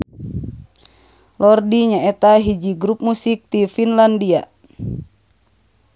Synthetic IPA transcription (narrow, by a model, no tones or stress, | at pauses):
lɔrdiɲaɛt̪aɦid͡ʒiɡɾup̚musik̚t̪ifinlandia̰